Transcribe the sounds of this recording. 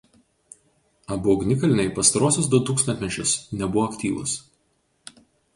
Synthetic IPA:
ɐbʊɔɡʲnʲɪkɐlʲɪnʲɛɪpɐst̪ɐɾoɔsʲos̬d̪ʊt̪uːkst̪ʲɐnt̪ʲmʲɛt͡ʃʲʊsnʲɛbʊʋɔːkt̪ʲiːʋʊ̰s

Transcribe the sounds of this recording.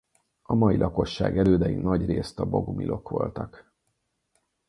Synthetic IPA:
ɒmɒjilʔɒko̞ʃːa̰ːɡɛløːd̪ɛjinɒɟreːst̪ɒbo̞ɡumilʔo̞kʋo̞̰lt̪ɒk

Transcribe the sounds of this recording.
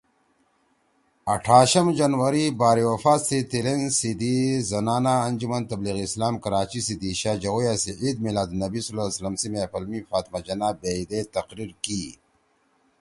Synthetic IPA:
ɐʈʰaːɕɐmd͡ʒɐnwɐɾibaːɾiwɐfaːt̪sit̪ilensid̪izɐnaːnaːnd͡ʒumɐnt̪ɐbliɣiːslaːmkɐɾaːt͡ʃisid̪iɕad͡ʒɐɣujasiʕid̪̚milaːd̪nɐbisulaslɐmsimefɐlmifaːt̪mad͡ʒɐnaːbeid̪et̪ɐqɾiɾki

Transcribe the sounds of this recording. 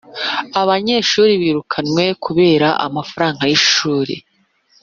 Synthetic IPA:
aβaɲe̞ʃuːɾiβiːɾukʰanwe̞kʰuβe̞ːɾaʔa̰mafaɾaːŋɡajiʃuːɾḭ

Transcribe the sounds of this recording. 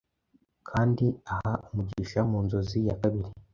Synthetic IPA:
kʰaːndiahaʔumuɟiʃamuːnzo̞zijakaβiɾi

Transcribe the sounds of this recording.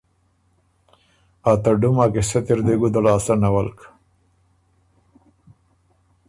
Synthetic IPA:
at̪aɖumakeset̪iɾd̪eɡud̪alaːsanawalk

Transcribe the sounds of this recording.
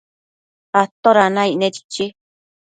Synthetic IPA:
at̪oɾanãinẽt͡ʃi̥t͡ʃi

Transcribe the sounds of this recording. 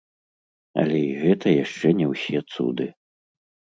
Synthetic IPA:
ɐ̰lʲɛiɣɛt̪ɐjaʂt͡ʂɛnʲɛwsʲɛt̪sṵd̪ɨ

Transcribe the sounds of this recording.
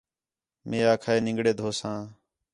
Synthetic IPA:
meːaːkʰaːeːnɪ̃ŋɡɽeːd̪ʱoːsãː

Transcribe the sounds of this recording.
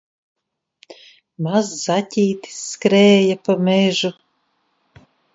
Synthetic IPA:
mazːatʲiːt̪i̥sːkɾɛːjapameʒu

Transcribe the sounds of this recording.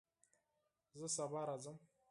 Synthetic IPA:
zəsabaɾazəm

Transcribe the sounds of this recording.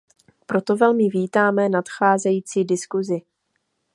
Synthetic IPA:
pɾo̞t̪o̞vɛlmɪviːt̪aːmɛnat̪xaːzɛjiːt͡siːdɪskuzɪ

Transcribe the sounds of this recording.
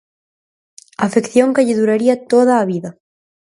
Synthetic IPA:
afekθjoŋkeʎɪðuɾaɾiat̪oðaːβiðɐ

